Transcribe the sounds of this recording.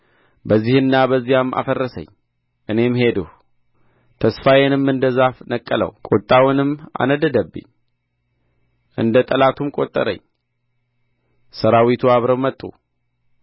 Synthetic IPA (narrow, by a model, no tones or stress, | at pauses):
bəzːihɨnːabəzːijamːʔa̰fərːəsə̰ɲ | ʔɨne̞mhe̞d̪uh | t̪ʰəsfajenɨmɨnd̪əzafnəkʼːələ̰wkʼot̪ʼːawʊnɨma̰nəd̪əd̪əbːɨ̰ɲ | ʔɨ̰nd̪ət̪ʼəlat̪ʰumkʼo̞t̪ʼːə̰ɾə̰ɲː | səɾawit̪ʰuaβɾəwmːət̪ʼːṵ